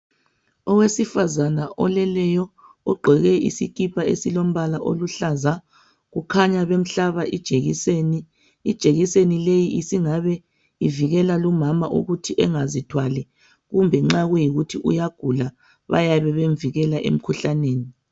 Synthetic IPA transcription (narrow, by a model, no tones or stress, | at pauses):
ɔwesifazanaʔɔ̰lɛlɛjɔ | ɔɡ͡ǃʱɛɣɛḭsḭkʼipʰaḛsilom̩βalaʔo̰luɬaza | ɣukʰaɲaβem̩ɬaβaʔid̥ʒ̥ʱeɣḭseni | id̥ʒ̥ʱeɣisenilejiʔisiŋaβɛ | iviɣɛlalumamaʔṵɣutʰiʔɛŋazitʰwalɛ | ɣumbʱɛŋ͡ǁaɣujiɣutʰiʔṵjaɡ̥ʱula | βa̰jaβɛβeɱviɣɛlaʔḛm̩kʰuɬaneːni